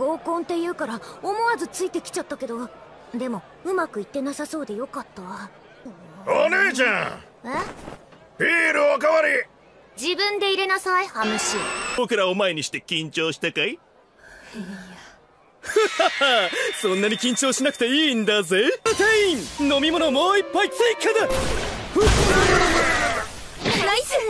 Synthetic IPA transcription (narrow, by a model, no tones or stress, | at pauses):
ɡ̥o̞ːkõ̞nt̪e̞jɯ̟ːkaɾaomo̞azɨt͡sɨit̪e̞kʲi̥t͡ɕat̪ːake̞d̪o̞ | d̪e̞mo̞ | ɯ̟makɯ̟it̪ːe̞nasaso̞ːd̪e̞jo̞kat̪ːaβa | oneːʑã | e | ɸʲiːɾɯokaβaɾʲi | d͡ʑibɯ̃nd̪e̞iɾe̞nasaihamɯɕiːbo̞kɯ̟ɾaomae̞ɲ̟iɕi̥t̪e̞kʲĩɲ̟t͡ɕo̞ːɕi̥t̪akai | sõ̞nːaɲ̟ikʲĩɲ̟t͡ɕo̞ːɕinakɯ̟t̪e̞iːnd̪azeteĩno̞mʲimo̞no̞mo̞ːipːait͡seikʰːad̪a | naisɨ